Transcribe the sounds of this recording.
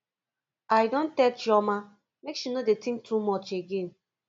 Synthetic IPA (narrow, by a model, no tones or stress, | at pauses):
ajdõntɛt͡ʃɔma | mekʃunodetĩŋk̚tʰumɔt͡ʃeɡẽn